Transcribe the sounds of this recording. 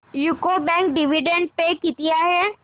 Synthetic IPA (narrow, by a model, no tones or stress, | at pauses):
jukobɛ̃ŋk̚ɖɪʋiɖẽɳɖ̚pekɪt̪iaːɦe